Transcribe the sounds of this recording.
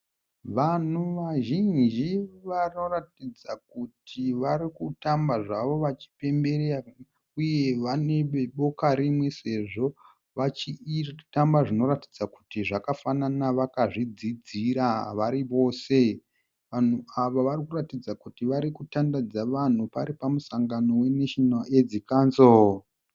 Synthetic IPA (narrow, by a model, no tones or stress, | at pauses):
ʋan̤uʋaʒind͡ʒiʋano̞ratid͡zak̚utʰiʋaɾikutambaʐaʋo̞ʋat͡ʃi̥pe̞mbe̞ɾera | uje̞ʋane̞eɓo̞kaɾimwe̞se̞ʐo̞ | ʋat͡ʃitambaʐino̞ɾati̥d͡zakutiʐakafananaʋakaʐid͡zid͡ziɾaʋaɾiʋo̞ːse̞ | ʋan̤uaʋaʋarikuratid͡zakutiʋaɾikutandad͡zaʋan̤upaɾipamusaŋɡano̞we̞neʃonaed͡zikaːnzo